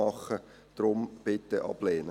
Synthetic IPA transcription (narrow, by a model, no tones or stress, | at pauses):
ɑχə | d̪̥ɾʊmb̥ɪt̪ːəʔɑ̰b̥leːnə